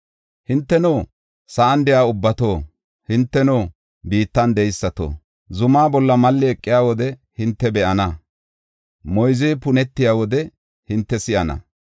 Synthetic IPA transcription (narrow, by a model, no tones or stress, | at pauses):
hɪnt̪ːɛnoː | sɐʔɐnd̪ɛjaːʊbːɐt̪oː | hɪnt̪ːɛnoː | biːt̪ːɐnd̪ɛjsːɐt̪o̰ː | zʊmaːbɔlːɐmɐlːɪɛkʼːɪjaːwɔd̪ɛhɪnt̪ːɛbɛʔɐnɐ | mɔjzɛːpʊnɛt̪ːɪjaːwɔd̪ɛ | hɪnt̪ːɛsɪʔɐnɐ̰